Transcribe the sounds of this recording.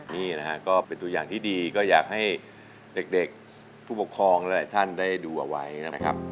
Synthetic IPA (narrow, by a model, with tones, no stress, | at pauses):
niː˥˩na˦˥kʰa˦˥kɔː˥˩pe˧nt̪u˧jaː˨˩ŋt̪ʰiː˥˩diː˧kɔː˥˩jaː˨˩k̚ha˥˩j | de˨˩k̚de˨˩k̚ | pʰuː˥˩pu˨˩kʰɾɔː˧ŋla˦˥laː˨˩˦jt̪ʰa˥˩ndaː˥˩jduː˧ʔa˨˩wa˦˥jna˦˥˦kʰa̰˦˥p̚